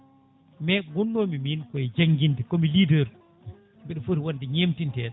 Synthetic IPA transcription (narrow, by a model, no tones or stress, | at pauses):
mɛɡɔnːoːmiminkɔɛd͡ʒaŋɡindɛkɔmilidəɾ | mbɛɗɔfoɾiwandɛɲemtintɛːɗ